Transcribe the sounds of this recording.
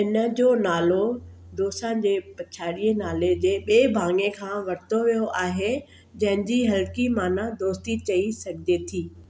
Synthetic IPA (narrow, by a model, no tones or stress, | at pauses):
ɪnə̆d͡ʑoːnaːlo | d̪oːsãnd͡ʑeːpɐt͡ɕʰaːɽiənaːled͡ʑeːɓeːbʱãːŋekʰãːʋɐɽɪt̪oʋijoʔaːɦe | d͡ʑɐ̃ɦɪ̃ɲd͡ʑiɦɐlkimãːnad̪oːst̪it͡ɕɐisɐɡʱɪd͡ʑet̪ʰiː